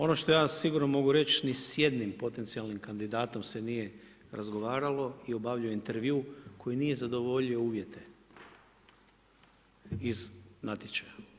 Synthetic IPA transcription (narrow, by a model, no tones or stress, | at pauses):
o̞no̞ʃt̪o̞jaːsiɡuɾnomo̞ɡuɾe̞t͡ʃnisje̞d̪nimpo̞t̪ent̪sialˠnimkand̪id̪aːt̪o̞mse̞nije̞ | ɾʔazɡo̞ʋaːɾalo̞io̞baːʋʎujoint̪e̞ɾʋiukʰo̞jinije̞zad̪o̞ʋo̞ʎio̞uːʋje̞t̪ʰe̞ | iznat̪ʲjet͡ʃaja